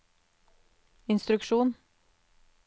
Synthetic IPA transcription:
ɪnst̪ɾʉkʃuːn

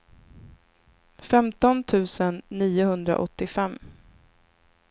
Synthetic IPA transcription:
fɛmt̪ɔnt̪ʰʉ̟ːsənːiːʊhɵnd̪ɾa̰ʔɔt̪ːɪfɛmː

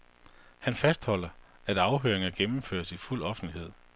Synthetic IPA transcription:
hænfæsd̥hɒ̽l̰ɐ | æɾ̥ɑ̈ʊɦøɐ̰eŋɐɡ̥emm̩fø̰ːɐsiful̰ɒ̽fn̩lihe̝ð̞̰ˠ

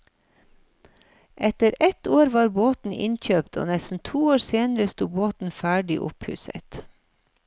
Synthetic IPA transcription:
ʔɛt̪əɾɛt̪ʰoːɾʋɑːɾboːt̪n̩ʔɪ̰nçøːpt̪ʰo̰ːnɛsn̩t̪ʰuːoːɾseːnəɾəst̪uːboːt̪n̩fæːɖɪ̰ʔʊ̰phʉ̰ːsə̰t̪

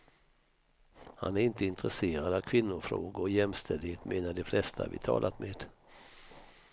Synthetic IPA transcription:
ha̰næɾɪnt̪əɪnt̪ɾɛseːɾad̪avkʰvɪnːʊɾfɾo̰ːɡʊjɛmst̪ʰɛld̪heːt̪meːnaɖɛflɛst̪ʰaa̰vɪ̰t̪ʰɑ̰ːlʔat̪meːd̪̥

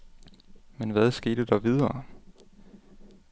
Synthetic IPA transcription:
menʋæðˠsɡ̥e̝̰ːd̥əd̥ɑʋið̞ˠɐː

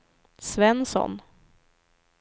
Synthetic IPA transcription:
svɛnsɔ̰n

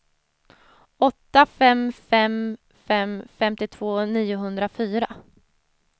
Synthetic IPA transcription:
ɔt̪ːafɛmfɛm | fɛmfɛmt̪ɪt̪ʰv̥oːniːʊɦɵnd̪ɾafyːɾa

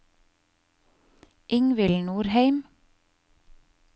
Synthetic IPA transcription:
ʔɪŋʋɪlnuːɾhæɪm

